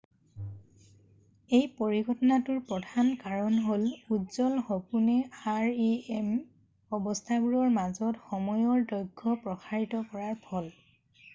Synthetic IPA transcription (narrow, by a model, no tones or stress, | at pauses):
ejpoɹiɡʱɔtɔnatʊɹpɹɔdʱankaɹɔnɦoludzɔlxopunɛaɹiem | ɔbɔstʰaɡuɹɔɹmazɔtxɔmɔjɔɹdɔjɡʱːɔpɹɔxʰaɹitɔkɔɹaɹpʰɔl